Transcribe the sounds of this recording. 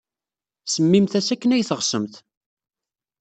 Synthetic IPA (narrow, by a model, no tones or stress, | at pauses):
səmːimθæsækːənæjθəʁsəmθ